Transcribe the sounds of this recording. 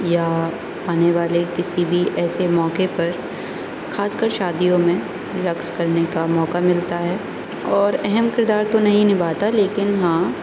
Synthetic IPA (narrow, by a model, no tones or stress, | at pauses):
ja | aːneʋaːlekɪsibʱiʔɛːsemɔːkepɐɾ | xaːskəɾʃaːd̪ijõmẽ | ɾɐkskɐɾnekamɔːkamɪlt̪aɦɛː | ɔːɾɛɦɛmkɪɾd̪aːɾt̪onɐɦĩnɪbaːt̪aleːkɪnɦãː